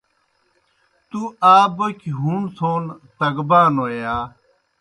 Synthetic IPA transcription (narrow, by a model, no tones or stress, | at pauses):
t̪uaːbokiɦuɳsʰoːnt̪ɐɡbaːnoːjaː